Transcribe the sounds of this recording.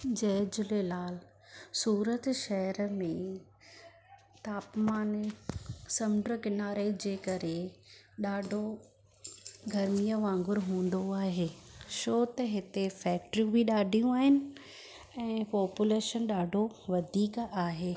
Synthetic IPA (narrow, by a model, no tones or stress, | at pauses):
d͡ʑɐːd͡ʑʊlelaːl | suːɾət̪ʃɐɦəɾmẽ | t̪aːpmaːn | sɐmɖɾəkɪnaːɾed͡ʑeːkɐɾeɗaːɖʱo | ɡʱɐɾmijəʋãːŋɡʊɾɦũːn̆d̪oaːɦeːʃoːt̪ɐɦɪt̪efɛːkʈɾiũbʱiɗaːɖʱijũaːɦɪnɪ̆ | ɛ̃ːpɔːpjuleːʃənɗaːɖʱoʋɐd̪ʱiːkaːɦeː